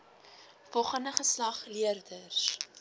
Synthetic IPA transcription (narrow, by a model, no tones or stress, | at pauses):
fɔlχəndəχəslɐχliərdərs